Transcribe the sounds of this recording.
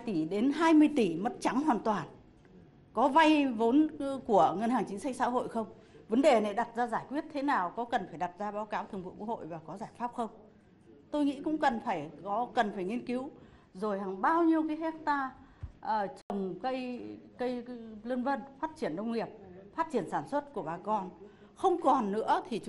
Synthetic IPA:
jt̪i˧˩ɗe˨˦nɦaː˧jmɨ˧əjt̪i˧˩mə˦˥t̚t͡ɕa˨˦ŋɦwaː˨˩nt̪waː˨˩n | kɔ˨˦va˧jvo˨˦nku˧˩əŋə˧nhaː˨˩ŋt͡ɕi˨˦ŋ̟sa˧k̟sa̰ː˧˥ɦo̰˧˨jxə˧wŋ͡m | və˨˦nɗe˨˩na˨˩jɗa˨˩t̚zaː˧zaː˧˩jkwi˦˥ət̚t̪ʰe˨˦naː˨˩wkɔ˨˦kə˨˩nfaː˧˩jɗa˨˩t̚zaː˧ɓaː˨˦wkaː˨˦wt̪ʰɨ˨˩əŋvṵ˧˨kw̰̚ho̰˧˨jvaː˨˩kɔ˨˦zaː˧˩jfaː˦˥p̚xə˧wŋ͡m | t̪o˧jŋḭ˧˥kʊ̰˧˥ŋ͡mkə˨˩nfaː˧˩jkɔ˨˦kə˨˩nfaː˧˩jŋi˧ənki˨˦w | zo˨˩jɦa˨˩ŋɓaː˧wɲi˧əwkaː˨˦jhɛ˦˥k̚t̪aː˧ʔəː˨˩t͡ɕə˨˩wŋ͡mkə˧jkə˧jlə˧ənvə˧nfaː˦˥t̚t͡ɕi˧˩ənɗə˧wŋ͡mŋi˨˩əp̚faː˦˥t̚t͡ɕi˧˩ənsaː˧˩nswə˦˥t̚ku˧˩əɓaː˨˩kɔ˧n | xə˧wŋ͡mkɔ˨˩nːɨ̰˧˥ət̪ʰi˨˩t͡ɕ

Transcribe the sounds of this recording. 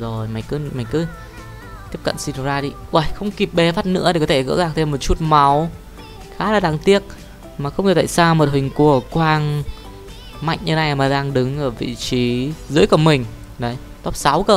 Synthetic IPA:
zo˨˩jma˨˩jŋkɨ˨˦ma˨˩jŋkɨ˨˦ | t̪i˦˥əp̚kə̰˧˨nsi˧n˨˧˩zaː˧ɗi˧˩ʔwa˧˩jxə˧wŋ͡mki˨˩p̚ɓe˨˦faː˦˥t̚nɨ̰˧˥əɗe˧˩kɔ˨˦t̪ʰe˧˩ɣə̰˧˥ɣaː˨˩k̚t̪ʰe˧mːo˨˩t̚t͡ɕu˦˥t̚ma˨˦w | xaː˨˦laː˨˩ɗaː˨˩ŋt̪i˦˥ək̚ | maː˨˩xə˧wŋ͡mɲɨ˧˩t̪a̰ː˧˨jsaː˧m˨˩t̚hï˨˩ŋ̟ku˨˧˩əkwaː˧n | ma̰˧˨jŋ̟ɲɨ˧na˧jmaː˨˩ɗaː˧ŋɗɨ˨˦ŋʔəː˧˩vḭ˧˨t͡ɕi˨˦zɨ̰˧˥əjkɔ˨˧˩mï˨˩ŋ̟ | ɗə˨˦j | t̪ɔ˦˥p̚sa˨˦wkəː˧˩

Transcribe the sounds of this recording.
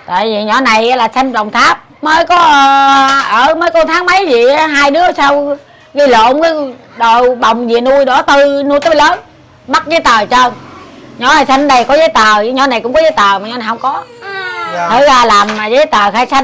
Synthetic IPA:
t̪a̰ː˧˨jvi˨˩ɲɔ˨˦na˨˩jʔlaː˨˩sa˧jnɗə˨˩wŋ͡mt̪ʰaː˦˥p̚məː˨˦jkɔ˨˦˧ʔəː˧˩məː˨˦jkɔ˧˦t̪ʰaː˨˦ŋma˨˦jzḭ˧˨˦ɦaː˧jɗɨ˨˦ə˨˩saː˧w | ɣi˧lo̰˧˨kə˨˧˦ɗo˧˨˩ɓə˨˩wŋ͡mzḭ˧˨ənu˧jɗɔ˧˨˦t̪ɨ˧nu˧jt̪a˨˦˥jləː˨˦n | ɓa˦˥t̚zəː˨˦jt̪əː˨˩t͡ɕə˧nɲɔ˨˦na˨˩jsa˧jŋnɗə˧˩jkɔ˨˦zəː˨˦jt̪əː˨˩˨ɲɔ˧˦na˨˩jkʊ̰˧˥ŋ͡mkɔ˨˦zəː˨˦jt̪əː˨˩maː˨˩ɲɔ˨˦na˨˩jhə˧wŋ͡mkɔ˨˦ | t̪ʰɨ˨˦zaː˧˩laː˨˩mːaː˨˩zə˨˦jt̪əː˨˩xaː˧jsa˧

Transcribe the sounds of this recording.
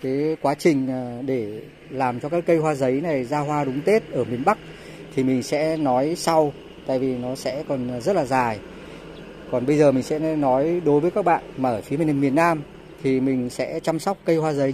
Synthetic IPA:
ka˨˦kwaː˨˦t͡ɕï˨˩ŋ̟˨˩ɗe˧˩ | laː˨˩mt͡ɕɔ˧kaː˦˥kːə˧jɦwaː˧zə˨˦jna˨˩jzaː˧ɦwaː˧ɗʊ˨˦ŋ͡mt̪e˦˥t̚ʔəː˧˩mi˨˩ənɓa˦˥k̚ | t̪ʰi˨˩mï˨˩ŋ̟sɛ̰˧˥nɔ˨˦jsa˧w | t̪a̰ː˧˨jvi˨˩nɔ˨˦sɛ̰˧˥kɔ˨˩nzə˦˥t̚laː˨˩zaː˨˩j | kɔ˨˩nɓə˧jzəː˨˩mï˨˩ŋ̟sɛ̰˧˥nɔ˨˦jɗo˨˦jvəː˨˦jkaː˦˥k̚ɓa̰ː˧˨nmaː˨˩ʔəː˧˩fi˨˦mi˨˧˩mi˨˩ənːaː˧m | t̪ʰi˨˩mï˨˩ŋ̟sɛ̰˧˥t͡ɕa˧msa˦˥wk͡p̚kə˧jhwaː˧zə˨˦j

